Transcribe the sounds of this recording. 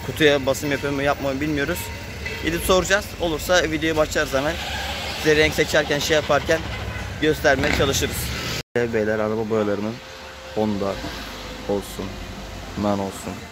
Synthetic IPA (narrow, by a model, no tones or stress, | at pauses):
kʰut̪ʰujabasɯmjapʰɯɾmujap̚mamɯbilʲmijo̞ɾuz̥ | ḭd̪ipso̞ɾud͡ʒaz̥o̞lˠuɾsavid̪eoubaʃt͡ʃ̪ˠaɾzamæn | izeɾɾɛɲcsɛt͡ʃʰæɾcænʃejapʰaɾcʰænɟø̞st̪ʰæɾmejɛt͡ʃʰalˠɯʃɯɾɯz̥d̪ɛbejlʲæɾaɾababajlˠaɾɯnɯn | ond̪a | olˠsun | mano̞lˠsun